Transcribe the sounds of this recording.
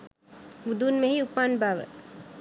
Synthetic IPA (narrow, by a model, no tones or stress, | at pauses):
mud̪uːnmeɦiupːaːnbaːʋə̰